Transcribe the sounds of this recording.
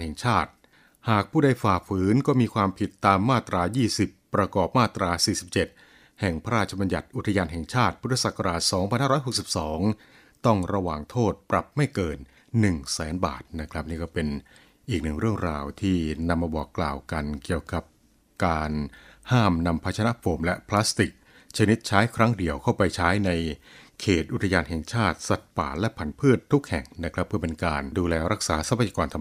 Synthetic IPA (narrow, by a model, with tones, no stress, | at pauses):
hɛ˨˩ŋt͡ɕʰaː˥˩t̪̚ | haː˨˩k̚pʰuː˥˩da˥˩jfaː˨˩pʰɯː˩˦nkɔː˥˩miː˧kʰwaː˧mpʰi˨˩t̪ːaː˧mːaː˥˩t̪ɾaː˧jiː˥˩si˨˩pːɾa˧kɔː˨˩p̚maː˥˩t̪ɾaː˧siː˨˩si˨˩p̚t͡ɕe˨˩t̪̚ | hɛ˨˩ŋpʰa˦ɾaː˥˩t̪̚t͡ɕʰa˧ba˧nja̰˨˩t̪̚ʔu˨˩t̪ʰːa˧jaː˧nɦɛ˨˩ŋt͡ɕʰaː˥˩t̪̚pʰu˦˥t̪ʰːa˧saː˨˩kʰːa˧ɾaː˨˩t̪̚sɔː˩˦ŋʰa˧nhaː˥˧ɾɔ˦˥jɦo˨˩k̚si˨˩p̚sɔː˩˦ŋ | t̪ɔ˥˩ŋɾa˧waː˨˩ŋt̪ʰoː˥˩t̪̚pɾa˨˩p̚ma˥˩jkɤː˧nː | ɯ˨˩ŋsɛː˩˦nba̰ː˨˩t̪̚na˦˥kʰɾa˦˥p̚niː˥˩kɔː˥˩pe˧n | ʔiː˨˩k̚nɯ˨˩ŋɾɯ˥˩əŋɾaː˧wt̪ʰiː˥˩na˧mːaː˧bɔː˨˩kːlaː˨˩wka˧nki˨˩əwka˨˩p̚ | kaː˧n | haː˥˩mna˧mpʰa˦˥t̪̚ʰa˧na˦˥foː˧˩mlɛ˦˥pʰlaː˦˥st̪i˨˩k̚ | t͡ɕʰa˧ni˦˥t̪̚t͡ɕʰaː˦˥jkʰɾa˦˥ŋdi˨˩əwkʰa˥˩wpa˧jt͡ɕʰaː˦˥jna˧jkʰeː˨˩t̪ʔu˨˩t̪ʰa˧jaː˧nɦɛ˨˩ŋt͡ɕʰaː˥˩t̪̚sa˨˩t̪̚pa̰ː˨˩lɛ˦˥pʰa˨˩˦npʰɯ˥˩ət̪ʰːu˦˥k̚hɛ̰˨˩ŋna˦˥kʰɾa˦˥pʰːɯ˥˩ɐpe˧nkaː˧nduː˧lɛː˧ɾa˦˥k̚saː˩˦sa˨˦˥pʰa˧˩ja˧kɔː˧nt̪ʰa˧m